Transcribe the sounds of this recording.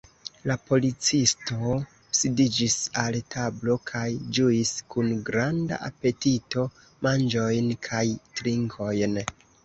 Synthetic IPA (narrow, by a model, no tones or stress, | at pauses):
lapo̞lit͡sisto̞ | sidid͡ʒisaltʰablo̞kʰajd͡ʒuiskunɡɾanda̰ʔape̞tito̞ | mand͡ʒo̞jnkʰajtɾiŋkʰo̞jn